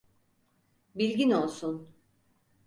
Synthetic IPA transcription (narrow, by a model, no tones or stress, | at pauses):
bilʲɟino̞lˠsun